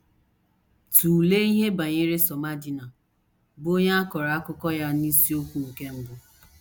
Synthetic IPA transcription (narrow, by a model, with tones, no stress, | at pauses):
tu˨le˦i˦ɦe˦ba˨ɲɪ˦ɾɪ˦sɔ˨ma˦di˦na˨ | bo˦ɲa˦a˦kɔ˨ɾa˨a˦kʊ˦kɔ˦ja˦ni˦si˦o˦kʷu˦ŋ̩˨ke˦m̩˦bʊ˦